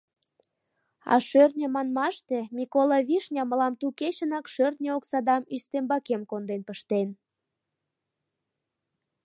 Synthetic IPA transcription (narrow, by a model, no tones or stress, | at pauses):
ɑ̰ʃørnʲə̆mɑnmɑʃt̪emikolɑβiʃnʲɑməlɑmt̪uket͡ɕənɑkʃørnʲeoksɑd̪ɑmyst̪embɑkemkond̪enpəʃt̪en